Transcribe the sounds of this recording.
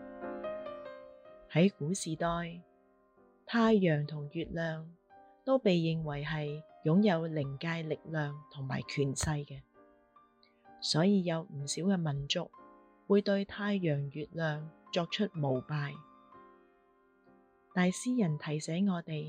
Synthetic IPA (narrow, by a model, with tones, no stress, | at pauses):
hɐ˨˥jkuː˨˥siː˨˩t̪ɔː˧j | t̪ʰaː˧jːœː˨˩ŋt̪ʰʊ˨˩ŋjyː˨t̚lœː˨ŋ | t̪o˥wpe˨jːɪ˨ŋwɐ˨˩jɦɐ˨j | jʊ˨˥ŋjɐ˨˧wlɪ˨˩ŋkaː˧jlɪ˨k̚lœː˨ŋt̪ʰʊ˨˩ŋma̰ː˨˩jkʰyː˨˩nsɐ˧jkɛː˧ | sɔː˨˥jiː˧jɐ˨˧wm̩˨˩siː˨˥wkɛː˧mɐ˨˩nt͡sʊ˨˥k̚ | wuː˨˧jt̪ɵ˧ɥt̪ʰaː˧jːœː˨˩ŋɥyː˨t̚lœː˨ŋt͡ʃɔː˧k̚t͡ʃʰɵ˥t̚mo˨˩wpaː˧j | t̪aː˨˧jsiː˥jɐ˨˩nt̪ʰɐ˨˩jsɛː˨˥ŋɔː˨˧t̪e˨j